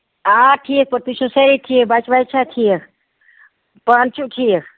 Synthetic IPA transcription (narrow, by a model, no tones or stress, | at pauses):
ãʈʰik̚pəɾt̪isũseɾiʈʰikbat͡ʃʋajt͡ʃʰaʈʰikʰ | pənt͡ʃuʈʰikʰ